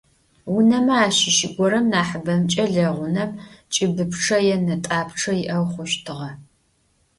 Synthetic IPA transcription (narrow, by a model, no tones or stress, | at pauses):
wʊnɐmɐaːʃɪʃɪɡʷɔɾɐmnaːħəbɐmt͡ʃʼɐɮɐʁʷʊnɐpt͡ʃʼɪbɨpʈ͡ʂʰɐjɛnɐtʼaːpʰʈ͡ʂʰɐjɪʔɐwχʷʊʃtʰɨʁɐ